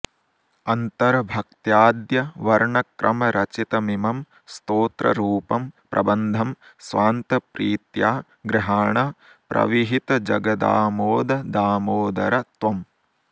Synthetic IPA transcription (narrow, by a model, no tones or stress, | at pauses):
ɐnt̪ɐɾɐbʱɐk̚t̪jaːd̪jɐʋɐɾɳɐkɾɐmɐɾʔɐt͡ʃit̪ɐmimɐm | st̪oːt̪ɾɐ̰ɾuːpɐmpɾʔɐ̰bɐnd̪ʱɐmsʋaːnt̪ɐpɾiːt̪jaː | ɡɾɪɦaːɳɐ | pɾɐ̰ʋiɦit̪ɐd͡ʒɐɡɐd̪a̰ːmoːd̪ɐd̪aːmoːd̪ɐ̰ɾɐt̪ʋɐm